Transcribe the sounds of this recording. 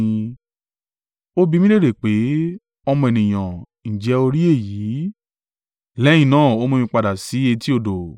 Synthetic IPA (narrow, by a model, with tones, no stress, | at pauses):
o˦bi˧mĩ˦le˦˨ɾe˨k͡pe˨˦ | ɔ˧mɔ̃˧ɛ˨nĩ˨j̃ã˨ | n̩˨d͡ʒɛ˨˦o˧ɾi˦e˦˨jiː˨˦ | lɛ˨˦j̃ĩ˦˨nãː˦˨o˦mõ˧mĩ˧k͡pa˧da˨si˨˦e˧ti˦o˧˨do˨